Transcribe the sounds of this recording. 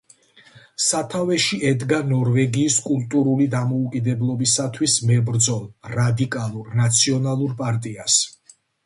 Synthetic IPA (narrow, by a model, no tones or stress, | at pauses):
sat̪ʰavɛʃiʔɛd̪ɡanɔɾvɛɡiːskʼult̪ʼuɾulid̪amɔukʼid̪ɛblˠɔbisat̪ʰwismɛbɾd̪zɔlˠɾad̪ikʼalˠuɾnat̪sʰiɔnalˠuɾpʼaɾt̪ʼias